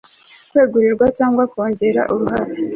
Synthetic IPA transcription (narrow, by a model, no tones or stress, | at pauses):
kwe̞ːɡuɾiɾɡwacaːŋɡwakoːɲɟe̞ɾa̰ʔuɾuɦaɾe